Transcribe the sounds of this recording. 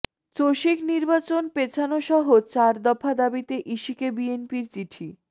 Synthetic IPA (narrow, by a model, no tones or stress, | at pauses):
t͡ɕoʃikniɾbat͡ɕonpet͡ɕʰanoʃɔɦot͡ɕaɾd̪ɔfʰad̪abit̪eʔiʃikebienpiɾt͡ɕiʈʰi